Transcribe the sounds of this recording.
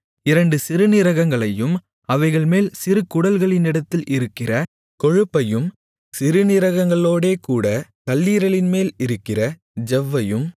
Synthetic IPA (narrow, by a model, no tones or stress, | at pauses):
ɪɾɐɳɖɯsɪɾɯnɪɾɐɣɐŋɡɐɭɐjɯm | ɐʋɐɪɣɐɭmeːlsɪɾɯkʊɽɐlɣɐɭɪnɪɽɐt̪ːɪlʔɪɾɯkːɪrɐ | kɔɻɯpːɐjɯm | sɪɾɯnɪɾɐɣɐŋɡɐɭoːɽeːkuːɽɐkɐlːiːɾɐɭɪnmeːlɪɾɯkːɪrɐ | d͡ʒɛʋːɐjɯm